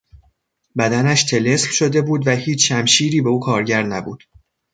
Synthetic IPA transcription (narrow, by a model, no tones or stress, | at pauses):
bæd̪ænæʃt̪ʰe̞le̞slʃo̞d̪e̞buːd̪væhiːt͡ʃʃæmʃiːɾiːbe̞uːkʰɒːɾɟæɾnæbṵːd̪̥